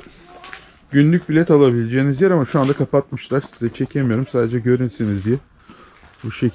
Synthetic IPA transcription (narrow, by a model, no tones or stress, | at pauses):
ɟynlʲyc̚bilʲɛt̪alˠabilʲed͡ʒeːnizjɛɾamaʃuand̪akʰapat̪mɯʃlˠaɾsizɛt͡ʃʰe̞cʰe̞mijo̞ɾumsaːd̪e̞d͡ʒɛɟø̞ɾynsinizje | buʃe